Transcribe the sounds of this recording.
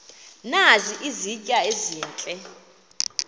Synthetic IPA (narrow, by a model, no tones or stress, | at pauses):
naziʔizicʼaezɛːnt͡ɬʼɛ